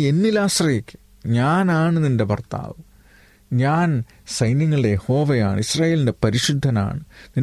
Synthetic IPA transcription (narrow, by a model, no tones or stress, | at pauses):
e̞nːilaːsrɐjekʲːɨ̥ | ɲaːnaːɳɨninde̞bɐrt̪a̰ːʋɨ | ɲaːn | sɐjnjɐŋːɐɭɨɽe̞jeho̞ːʋɐja̰ːɳɨ̰israːje̞ːlinde̞pɐɾiʂud̪ʱːɐna̰ːɳɨnin